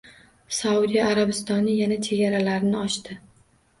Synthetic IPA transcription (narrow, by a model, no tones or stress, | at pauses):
saud̪ijaːɾabɪst̪ɒnɪjanat͡ʃʰe̞ɡʲaɾalaɾɪnɪɒʃt̪ɪ